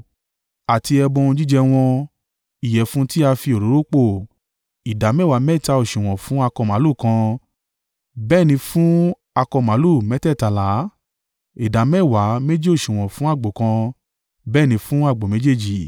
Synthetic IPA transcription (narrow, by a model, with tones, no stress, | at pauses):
a˨ti˧ɛ˧bɔ̃˧ũ˧d͡ʒi˦d͡ʒɛ˧w̃ɔ̃˧ | i˨jɛ˨fũ˨˦ti˦a˧fi˧o˨ɾo˨˦ɾo˦k͡po˦˨ | i˨da˨˦mɛ˦˨wa˨˦mɛ˦i˦˨ta˧o˨ʃũ˨w̃ɔ̃˨fũ˨˦a˧kɔ˧˨mã˨˦lu˦˨kã˧ | bɛː˦˨nĩ˧fũ˦ | a˧kɔ˧˨mã˨˦lu˦˨mɛ˨˦tɛ˦˨ta˧la˨˦ | i˨da˨˦mɛ˦˨wa˨˦me˦d͡ʒe˦o˦˨ʃũ˨w̃ɔ̃˨fũ˨˦a˦˨ɡ͡bo˨kã˧ | bɛː˦˨nĩ˧fũ˦a˦˨ɡ͡bo˨me˨˦d͡ʒe˦˨d͡ʒi˨